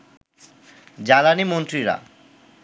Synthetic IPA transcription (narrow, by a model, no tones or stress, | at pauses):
d͡ʑalanimont̪ɾiɾa̰